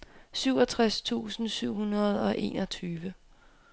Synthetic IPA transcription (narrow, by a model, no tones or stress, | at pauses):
syʊ̰ɒt͡sʰʁast͡sʰṵːsn̩syʊ̰ɦunɐð̞̩ˠɒ̽ʔe̝̰ːnɒt͡sʰyːʋə